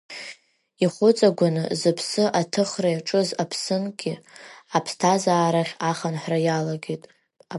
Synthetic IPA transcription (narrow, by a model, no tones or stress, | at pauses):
iχʷʊt͡sʼaɡʷanɨzɨpʰsɨʔatʰɨχrajaʈ͡ʂʼɨzapʰsɨnɡʲɪapʰstʰazaːɾaχʲaχanħrajalaɡʲejtʼ | a